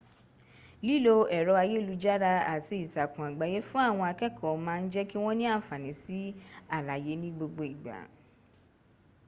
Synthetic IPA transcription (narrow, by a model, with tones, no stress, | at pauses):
li˦˨lo˧ɛ˨ɾɔ˨˧˦a˧je˦˨lu˨˧˦d͡ʒa˦ɾa˧a˨ti˧i˨ta˨kũ˨a˨ɡ͡ba˨˦je˦fũ˦a˦˨w̃ɔ̃˧a˧kɛ˦kʰɔ˦˨mãː˦˧n̩˦d͡ʒɛ˦ki˦w̃ɔ̃˦nĩ˦a˦˨fa˨nĩ˨˦si˦a˦˨la˨je˨˦nĩ˦ɡ͡bo˧ɡ͡bo˧i˨ɡ͡ba̰˨˦